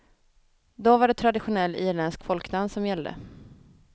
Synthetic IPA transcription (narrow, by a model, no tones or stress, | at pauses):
d̪ɔvaɖɛt̪ʰɾad̪ɪɧʊnɛlːiːɾɭɛnskfɔlknamːsɔmjɛlːd̪ə̰